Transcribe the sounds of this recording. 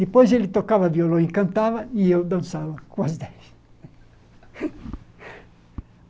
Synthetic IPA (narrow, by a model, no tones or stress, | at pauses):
d̪̥ipɔjzelit̪okːaːvaviolɔiŋkant̪aːvaiiod̪ansaːvakwazd̪ɛz